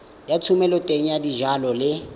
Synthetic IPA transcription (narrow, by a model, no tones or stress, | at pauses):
jatʰumɛlɔtʼeŋ̩jadiʒalɔlɪ